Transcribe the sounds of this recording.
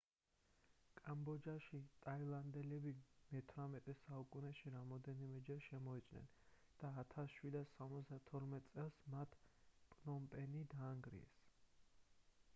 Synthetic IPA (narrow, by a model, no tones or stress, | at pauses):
kʼambɔd͡ʒaʃit̪ʼailˠand̪ɛlɛbimɛt̪ʰɾamɛt̪ʼɛsaukʼunɛʃiɾamɔd̪ɛnimɛd͡ʒɛɾʃɛmɔit̪sʼnɛ̰n | d̪̥aːt̪ʰasʃwid̪asːamɔt̪sd̪at̪ʰɔɾmɛt̪ʼsʼɛlˠsmat̪ʰpʼnɔmpʼɛnid̪aːŋɡɾḭɛ̰s